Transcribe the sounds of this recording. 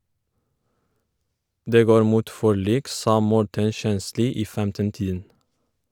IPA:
ˈdeː ˈɡoːɾ ˈmuːt ˈfɔˌɭiːk ˈsɑː ˈmɔʈən ˈʃɛnˌsliː ˈiː ˈfɛmtənˌtiːdən

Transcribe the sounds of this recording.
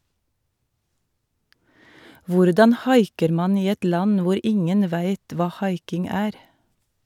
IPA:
ˈʋʊɾdɑn ˈhɑɪkəɾ ˈmɑːn ˈiː ˈɛt ˈlɑn ˈʋʊɾ ˈɪŋən ˈʋæɪt ˈʋɑː ˈhɑɪkɪŋ ˈæːɾ

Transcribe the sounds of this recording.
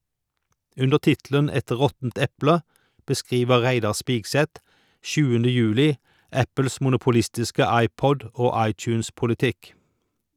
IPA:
ˈʉndəʁ ˈtɪtlən ˈɛt ˈʁɔtn̩t ˈɛplə bəˈskʁiːʋə ˈʁæɪdɑʁ ˈspiːɡsɛt ˈʃʉːəndə ˈjʉːlɪ ˈæpl̩s ˌmʊnʊpʊˈlɪstɪskə ˈɑɪˌpɔd ə ˈoː ˈɑɪˌt͡ʃʉːnspʊlɪˌtɪk

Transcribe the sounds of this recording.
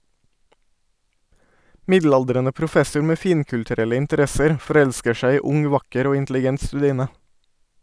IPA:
ˈmɪdˌlɑldɾɛnə pɾʊˈfɛsʊɹ ˈmeː ˈfiːŋkʉltʉˌɾɛlə ɪntəˈɾɛsəɾ fɔˈɾɛʎskə ˈʃæɪ ˈiː ˈʊŋ ˈʋɑkəɾ ˈoː ɪntlɪˈɡɛnt stʉˈdiːnə

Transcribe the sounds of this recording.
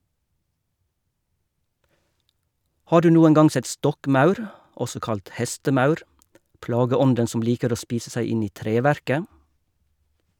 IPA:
ˈhɑː ˈɖʉː ˈnuːəŋ ˈɡɑŋ ˈsɛt ˈstɔkˌmɑʉɾ ˈʔɔsɔ ˈkɑlt ˈhɛstəˌmɑʉɾ ˈplɑːɡəˌɔndən ˈsɔm ˈliːkəɾ ˈoː ˈspiːsə ˈsæɪ ˈɪn ˈiː ˈtɾeːˌʋæɾkə

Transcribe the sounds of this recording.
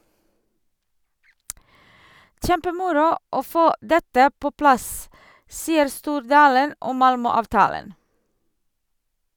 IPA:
ˈçɛmpəˌmʊɾʊ ˈoː ˈfoː ˈdɛtə ˈpoː ˈplɑs ˈsiːəɾ ˈstuːɾdɑːlən ˈɔm ˈmɑlmœˌɑːʋtɑːlən

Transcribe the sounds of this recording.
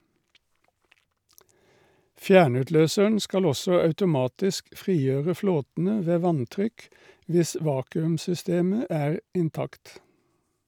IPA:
ˈfjæːɳʉtˌløːsəɳ ˈskɑl ˈɔsɔ ɑʉtʊˈmɑːtɪsk ˈfʁiːˌjøːʁə ˈfloːtn̩ə ˈʋeː ˈʋɑnˌtʁʏk ˈʋɪs ˈʋɑːkʉmsʏˌsteːmə ˈæːʁ ɪnˈtɑkt

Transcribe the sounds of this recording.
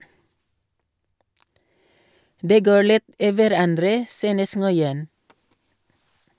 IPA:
ˈdeː ˈɡoːɹ ˈlɪt ˈiː ʋæˈɾɑndɾə ˈsyːnəs ŋɔʏˈɛn

